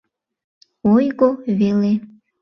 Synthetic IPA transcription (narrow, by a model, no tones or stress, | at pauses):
ojɡoβele